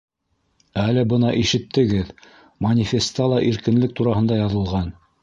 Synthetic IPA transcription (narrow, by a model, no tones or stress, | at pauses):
ælɘbɤnɑʔiʃɘ̆t̪ːɘ̆ɡɘð | mɐnʲifʲest̪ɑlˠɑʔiɾkɘ̆nlɘk̚t̪uɾɑhɤ̆nd̪ɑjɑðɤ̆lˠʁɑn